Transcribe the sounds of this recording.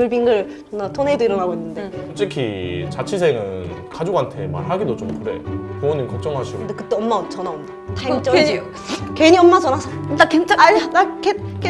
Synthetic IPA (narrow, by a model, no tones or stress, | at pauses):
ɯɭbiŋɡɯɭ | t͡ɕoŋnatʰoneidoiɾʌnaɡoinːɯnde̞ot͡ɕ͈ekʰit͡ɕat͡ɕʰisʰe̞ŋɯnkad͡ʑoɡantʰe̞ma̰ɾɦaɡidot͡ɕomkɯɾe̞̰puoɲinkʌk̚t͡ɕ͈ʌŋɦaɕʰiɡondekɯt͈e̞ʌmːat͡ɕʌnaomdatait͡ɕ͈ʌ | keɲiʌmːad͡ʑʌnasʰʌɯnt͈akent͡ɕ͈aaakek